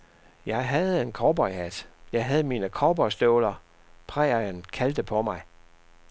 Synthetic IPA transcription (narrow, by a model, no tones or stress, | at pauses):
jɑ̈ɪɦæð̞̩ˠe̝nkʰɒːb̥ɒɪhæd̥jɑ̈ɪɦæð̞̩ˠəmiːnəkʰɒːb̥ɒsd̥ɔʊlɐ | pʰʁɛ̰ɪɐənkʰæld̥əpʰɒ̽mɑ̈ɪ